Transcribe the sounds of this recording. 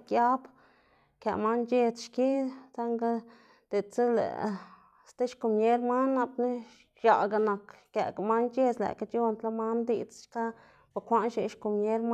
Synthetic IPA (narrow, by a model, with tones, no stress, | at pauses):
kja˦b | ka̰˨ma˦nd͡ʒe˧t͡sʃki˦t͡sa˦ŋɡa˦ | d̪̥e˨t͡se˦lḛ˨ | st̪e˦ʃku˨mɲe˦ɾma˦nːa˧pni˦ | ʃa˨ɡa˨na˨kkjḛ˨ɡa˨ma˦nt͡ʃe˦˧t͡slæ̰˨ka˧˦t͡ʃo˧nt̪la˦ma˦nd̪i˧t͡sʃka˦ | ba˨kʷa˧˦nʃi˧ʃku˨mɲe˦ɾm